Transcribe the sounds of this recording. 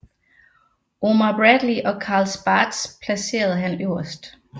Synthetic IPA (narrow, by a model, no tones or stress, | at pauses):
ʔo̝mɐb̥ʁæd̥liʔɒ̽kʰɑ̈ːlsb̥ɑːd̥spʰlæse̝̰ːɐð̞̩ˠəɦænøʊɐsd̥